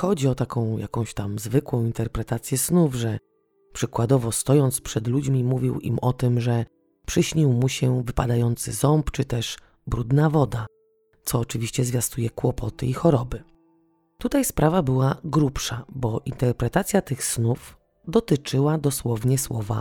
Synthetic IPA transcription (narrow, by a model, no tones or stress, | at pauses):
xɔd͡ʑiɔt̪akɔ̃w̃ja̰kɔ̃w̃ɕt̪amzvɘkwɔ̃w̃int̪ɛɾpɾɛt̪at̪sʲjɛsnuvʐɛ | pʂɘkwad̪ɔvɔst̪ɔjɔnt̪spʂɛd̪lud͡ʑmʲimuvʲiwḭmɔt̪ɘmʐɛ | pʂɘɕɲiwmuɕɛvɘpa̰d̪ajɔnt̪sɘ̰zɔmpt͡ʂɘt̪ɛʂ | bɾud̪navɔd̪a | t̪sɔːt͡ʂɘvʲiɕt͡ɕɛzvʲjast̪ujɛkwɔpʰɔt̪ɘixɔɾɔbɘ | t̪ut̪ajspɾʔavabɘwaɡɾupʂabɔʔint̪ɛɾpɾɛt̪at̪sʲjat̪ɘxsnuf | d̪ɔt̪ɘt͡ʂɘwad̪ɔswɔvɲɛswɔva̰